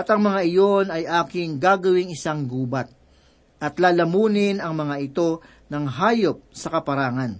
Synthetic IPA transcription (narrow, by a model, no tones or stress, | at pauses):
ʔɐt̪ɐŋmɐŋaʔɪjo̞nɐjʔaːkɪŋɡaːɡɐwɪŋɪsaŋɡuːbɐt̪̚ | ʔɐt̪laːlɐmuːnɪnɐŋmɐŋaʔɪt̪o̞ | nɐŋɦaːjop̚sɐkɐpɐɾaːŋɐn